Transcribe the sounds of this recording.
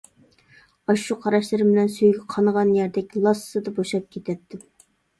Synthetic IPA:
ɑʃuqʰɑɾɑʃlˠɨɾɨbɪnɛnsøjɡʲɛqʰɑnʁɑnjæɾd̪ɛkʲlˠɑsːɨd̪ɑboʃɑp̚kʲʰet̪ʰɛt̚t̪ʰːɪ

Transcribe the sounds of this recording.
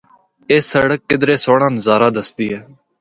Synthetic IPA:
eːsəɽəkːɪd̪ɾeːsoːɽãːnzaːɾaːd̪əsd̪iːɦɛː

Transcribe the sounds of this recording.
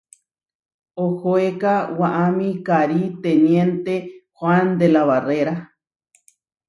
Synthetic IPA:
ohoekawaʔamĩkaɾit̪enjẽnt̪exwand̪elaβareɾa

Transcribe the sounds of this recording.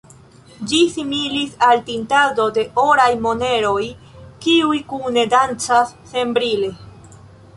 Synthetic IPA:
d͡ʒisimilisaltintado̞de̞ʔoɾajmo̞ne̞ɾo̞j | kiujkune̞dant͡sasːe̞mbɾile̞

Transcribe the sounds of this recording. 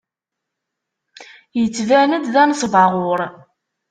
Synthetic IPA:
jət͡sːvænəd̪ðænsˤvɑʁʊɾˤ

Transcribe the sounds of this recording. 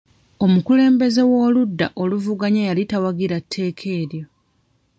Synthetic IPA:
o̞mukule̞ːmbe̞ze̞wo̞ːludːa̰ʔo̞luvuɡaɲajalitawaɡiɾatʰːe̞ːkʰe̞ːɾjo̞

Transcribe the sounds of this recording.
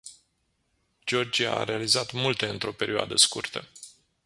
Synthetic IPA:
d͡ʒo̞rd͡ʒija̰a̰ɾe̞alizat̪mult̪e̞ɨnt̪ɾo̞pe̞ɾʔioa̰d̪əskurt̪ə̰

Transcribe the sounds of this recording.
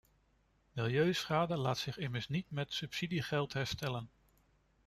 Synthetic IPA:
mɪlˠjøɥsχaːdəlaːtsɪχɪməɹsnitmɛtsɵpsidiχɛlˠtɦɛɹstɛlən

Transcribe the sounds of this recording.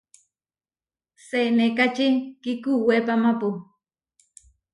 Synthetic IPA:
senekat͡ʃikikuwepamapu

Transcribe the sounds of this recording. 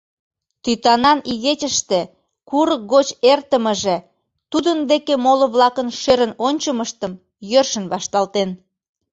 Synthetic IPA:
t̪yt̪ɑnɑniɣet͡ɕʲəʃt̪e | kuɾək̚ɡot͡ɕert̪əməʒe | t̪ud̪ənd̪ekemoləβlɑkənʃeɾənonʲt͡ɕəməʃt̪əm | jørʃənβɑʃt̪ɑlt̪en

